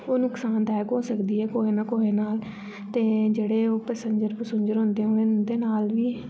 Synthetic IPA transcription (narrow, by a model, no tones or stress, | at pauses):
oːnʊksaːnt̪ɛːkɦoːsəkd̪iːɦɛːkoːɦeːnakoːeːnaːl | t̪eːd͡ʒeːɽeːoːpɛːsə̃ɲd͡ʒəɾpəsʊɲd͡ʒəɾɦʊ̃nd̪eːɦoːnẽːd̪eːnaːlʋiː